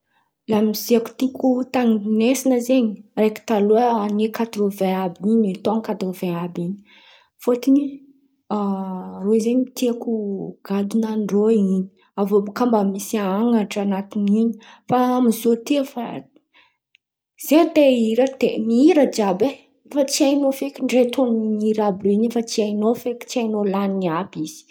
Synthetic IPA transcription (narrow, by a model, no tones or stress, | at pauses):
lamiziaku̥t̪ikut̪aŋinesinəzeɲireki̥t̪aluəanekat̪uɾovẽabiɲit̪oaŋkat̪uɾoveabiɲi | fot̪ini | arozeɲit̪iakuɡ̥ad̪unanɖ͡ʐoiɲi̥ | avobkambəmisiaaŋaʈ͡ʂanat̪iniɲi̥faamizot̪iəfa | z̥eat̪eiɾəd̪̥emiiɾəd͡ʒabe | fat͡siajnofekʲiɳɖ͡ʐet̪ʰoniiɾabriɲifat͡siajnofeki̥t͡siajnolaniniabiz̥i̥